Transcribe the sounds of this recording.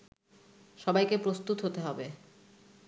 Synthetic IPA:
ʃɔbajkepɾost̪ut̪ɦot̪eɦɔbe

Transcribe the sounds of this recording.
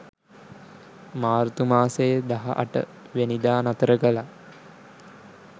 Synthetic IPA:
maːɾt̪umaːsejd̪aɦa̰ʔa̰ʈə̰ | ʋenid̪aːnat̪əɾəkəla

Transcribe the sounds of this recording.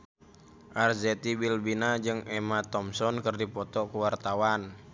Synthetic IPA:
ʔarzɛt̪ibilbinad͡ʒɨŋʔɛmat̪ɔmsɔnkərdipɔt̪ɔkuwart̪awan

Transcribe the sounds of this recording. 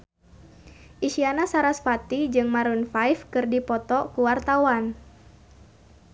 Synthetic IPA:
ʔiʃianasaɾasfat̪id͡ʒɨŋmaɾunfajfkɨrdipɔt̪ɔkuwart̪awan

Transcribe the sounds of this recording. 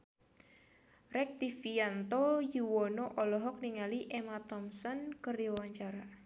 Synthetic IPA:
rɛk̚t̪ifiant̪ojuwɔnoʔɔlɔɦɔk̚niŋaliʔemat̪ɔmsɔnkəriwaɲt͡ʃaɾa

